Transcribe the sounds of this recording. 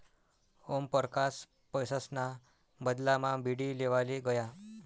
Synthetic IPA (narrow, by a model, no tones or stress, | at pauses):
ompəɾkas | pəjsəsna | bəd̪lamabiɽiːleʋaliɡəja